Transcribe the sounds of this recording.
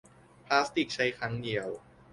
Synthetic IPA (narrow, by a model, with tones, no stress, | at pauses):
pʰlaː˦˥st̪i˨˩k̚t͡ɕʰa˦˥jkʰɾa˦˥ŋdi˧˩əw